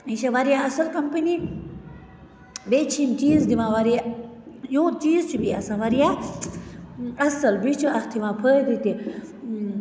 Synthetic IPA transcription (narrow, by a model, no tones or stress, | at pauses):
ĩɕɐʋɐɾijaɐsɐlkɐmpəni | beːt͡ʃʰimt͡ʃiːzd̪iʋãːʋɐɾijajũːt͡ʃiːzt͡ʃʰubiɐsãːʋɐɾija | ɐsɐlbit͡ʃʰuɐxt̪ʰiʋãːpʰəːd̪ut̪i